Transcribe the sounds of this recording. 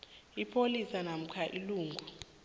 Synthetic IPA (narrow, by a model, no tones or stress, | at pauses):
ipʰolisanam̩kʰaʔiluːŋɡʱu